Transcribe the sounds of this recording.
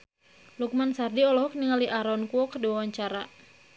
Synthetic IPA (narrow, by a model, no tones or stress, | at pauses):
luk̚mansardiɔlɔkniŋaliʔaɾɔnkuɔkərdiwawaɲt͡ʃaɾa